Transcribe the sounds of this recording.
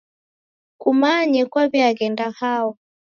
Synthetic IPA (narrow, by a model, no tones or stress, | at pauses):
kumaɲɛkwaβiaɣɛndahaɔ